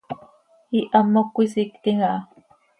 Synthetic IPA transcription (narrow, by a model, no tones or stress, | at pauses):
iʔamokʷisikt̪iŋaʔ